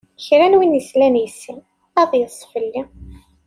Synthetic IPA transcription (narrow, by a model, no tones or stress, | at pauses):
çɾænwinjəslænjəsi | æðˤjəsˤːfəlːi